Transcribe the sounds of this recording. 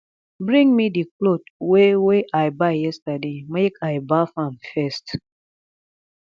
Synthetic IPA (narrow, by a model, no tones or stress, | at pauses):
bɾĩŋmidiklotweweʔajbajjɛstademekʰaɪbafãmfɛst